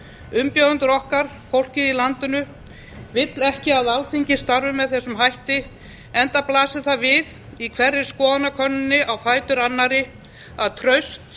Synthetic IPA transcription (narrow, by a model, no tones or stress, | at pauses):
ʏmpjaðʏnt̪ʏɾɔhkaɾ̥ | fowl̥cɪðilant̪ʏnʏ | vɪt̪lɛhcɪaðalθiɲcɪ̥st̪aɾvʏmːɛðθɛsːʏmɦajht̪ɪ | ɛnt̪aplaːsɪðθaðvɪð | ikʰvɛrːɪɾ̥skɔːðanːakʰœnːʏnːɪʔawfaːjt̪ʏɾanːaɾɪ | aðt̪ʰɾœɥst̪